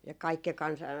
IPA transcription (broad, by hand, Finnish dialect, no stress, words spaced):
jɑ kɑikːe kɑnsɑ